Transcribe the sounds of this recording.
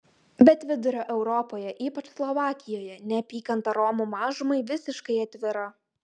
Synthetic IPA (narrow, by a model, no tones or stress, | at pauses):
bʲɛt̪ʋʲɪd̪ʊɾʲoːʔɛʊɾɔpoːjɛʔiːpɐt͡ʃslˠɔʋɑːkʲɪjoːjɛnʲɛpʲiːkɐnt̪ɐɾɔmʊmɑːʒʊmɐɪʋʲɪsʲɪʃkɐɪɐt̪ʲʋʲɪɾɐ